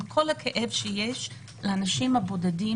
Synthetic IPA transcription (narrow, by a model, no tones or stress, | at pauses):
kʰo̞lhakʰeʔevʃejeʃ | leanaʃimhabo̞dadi